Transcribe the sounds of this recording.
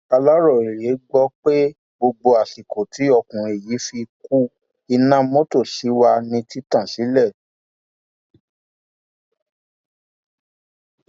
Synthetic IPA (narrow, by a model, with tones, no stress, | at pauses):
a˧la˦ɾɔ˦˨i˨ɾe˨˦ɡ͡bɔ˦k͡pe˦ | ɡ͡bo˧ɡ͡bo˧a˨si˨ko˨tʰi˨˦ɔ˧˨kũ˨ɾ̃ĩ˧e˨ji˨˦fi˧ku˦ | i˧nã˦mo˦to˦˨ʃi˨˦wa˧nĩ˧ti˦tã˦˨si˨˦lɛ˦˨